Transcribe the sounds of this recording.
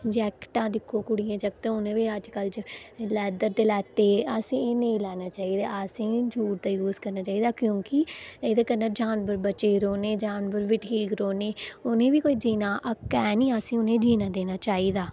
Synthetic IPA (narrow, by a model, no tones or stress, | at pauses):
d͡ʒɛːkʈãːd̪ɪkʰːoːkʊɽijãːd͡ʒək̚t̪ẽːʊnẽːʋiːəd͡ʒkəld͡ʒlɛːd̪əɾt̪eːlɛːt̪eːəsĩːeːnəĩːlɛːnaːt͡ʃaːiːd̪a̰ːəsĩːd͡ʒuːɾt̪aːjuːzkəɾnaːt͡ʃaːiːd̪aːkjõːkɪeːd̪aːkəɾnaːd͡ʒaːnbəɾbət͡ʃeːɾoːneːd͡ʒaːnbəɾʋɪʈʰiːkɾoːneːʊnẽːʋiːkoːiːd͡ʒiːnaːʔəkɛːnĩːəsĩːʊnẽːd͡ʒiːnaːd̪eːnaːt͡ʃaːiːd̪aː